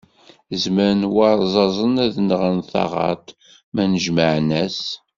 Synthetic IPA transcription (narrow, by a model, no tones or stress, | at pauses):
zməɾənwɑɾˤzˤɑzˤənæðnʁənθɑ̰ʁɑ̰t̪ | mænəʒməʕnæs